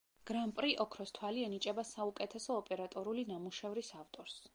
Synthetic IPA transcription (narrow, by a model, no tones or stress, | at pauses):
ɡ̥ɾampʼɾiʔɔkʰɾɔst̪ʰwaliɛnit͡ʃʼɛbasaukʼɛt̪ʰɛsɔːpʼɛɾat̪ʼɔɾulinamuʃɛvɾisavt̪ʼɔɾs